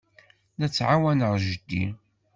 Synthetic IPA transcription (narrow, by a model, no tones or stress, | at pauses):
næt͡sːʕawænəɾˤʒəd̪ːḭ